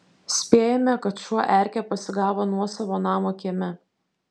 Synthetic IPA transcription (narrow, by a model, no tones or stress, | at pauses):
sʲpʲeːjɛmʲɛkɐt̪ʃuɔʔæˑɾʲkʲɛːpɐsʲɪɡɑːʋoːnuɔsɐʋoːnɑːmoːkʲiɛmʲɛ